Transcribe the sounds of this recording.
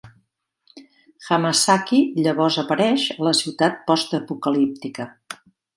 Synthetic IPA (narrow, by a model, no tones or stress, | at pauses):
xaməsakiʎəβ̞ɔzəpəɾɛʃələsiwt̪at̪̚pɔst̪əpukəlip̚t̪ikə